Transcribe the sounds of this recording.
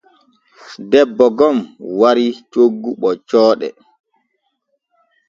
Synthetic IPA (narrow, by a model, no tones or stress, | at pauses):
dɛbːɔɡɔmwaɾit͡ʃoɡːuɓɔt͡ʃɔːɗɛ̰